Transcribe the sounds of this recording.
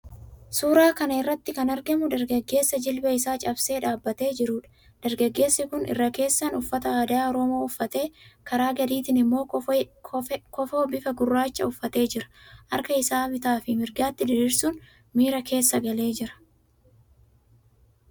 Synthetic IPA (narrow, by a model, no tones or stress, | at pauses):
suːɾaːkɐnɐɪrːɐt̪ːɪkɐnɐɾɡɐmʊd̪ɐɾɡɐɡːe̞ːsːɐd͡ʒɪlbɐɪsaːt͡ʃʼɐbse̞ːᶑaːbːɐt̪e̞ːd͡ʒɪɾuːᶑɐ̥ | d̪̥ɐɾɡɐɡːe̞ːsːɪkʊnʔɪ̰rːɐke̞ːsːɐnʊfːɐt̪ɐaːd̪aːɔɾoːmo̞ːʊfːɐt̪e̞ːkɐɾaːɡɐd̪iːt̪ɪnɪmːo̞ː | kɔfoːbɪfɐɡʊrːaːt͡ʃːɐ̰ʊfːɐt̪e̞ːd͡ʒɪɾɐ̥ʔɐɾkɐɪsaːbɪt̪aːfɪmɪɾɡaːt̪ːɪd̪ɪɾiːɾsuːn | miːɾɐke̞ːsːɐɡɐle̞ːd͡ʒɪɾɐ̥